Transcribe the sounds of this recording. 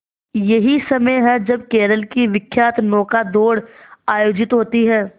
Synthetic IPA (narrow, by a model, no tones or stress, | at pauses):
jɐɦisɐməjɦɛd͡ʒɐb̚keːɾəlkiʋɪkʰːjaːt̪nɔːkad̪oːɽaːjoːd͡ʒɪt̪ɦoːt̪iɦɛː